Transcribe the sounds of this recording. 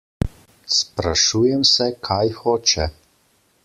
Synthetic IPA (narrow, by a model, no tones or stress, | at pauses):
spɾaʃuːjɛmsɛkʰajxoːt͡ʃɛ